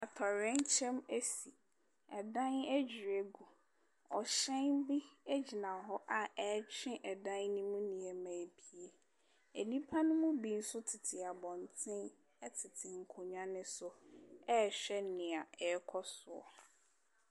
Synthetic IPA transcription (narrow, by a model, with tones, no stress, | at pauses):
a˨tʰɔ˨ɾɛ̃˦n˦t͡ɕʰɛ̃˦me˦si˨ | ɛ˨dã˦nɛ˦d͡ʑᶣi˨ɾe˦ɡu˨ | ɔ˨ɕɛ̃˦nbi˦e˦d͡ʑi˨nã˨ɦɔ˦ʔa˨ɛ˨˦t͡ɕʰᶣɪ̃˦ʔɛ˨dã˦nnʊ̃˦mũ˦nĩ˨e˨mã˨bi˦e˨ | e˨nĩ˦pʰa˦nʊ̃˦mʊ̃˦bi˨n̩˦sʊ˦tʰɪ˨tʰɪ˨a˨bɔ̃˨n˨tʰɪ̃˦n | ɛ˦tʰɪ˨tʰɪ˨ŋ̩˨kʰʊ˨ɲᶣã˦nɪ̃˦sʊ˦ɛ˦˨ɕᶣɛ˦nɪ̃˨a˨ɛ˨˦kʰɔ˦sʊ˨ɔ̰˨